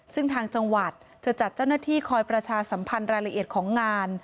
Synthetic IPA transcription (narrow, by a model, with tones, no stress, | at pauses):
sɯ˥˩ŋt̪ʰaː˧ŋt͡ɕa˧ŋwa˨˩t̪̚ | t͡ɕa˨˩t͡ɕa˨˩t̪̚t͡ɕa˥˩wnaː˥˩t̪ʰiː˥˩kʰɔː˧jpɾa˧t͡ɕʰaː˧sa˩˦mpʰa˧nɾaː˧jla˧ʔi˨˩t̪̚kʰɔː˩˦ŋːaː˧n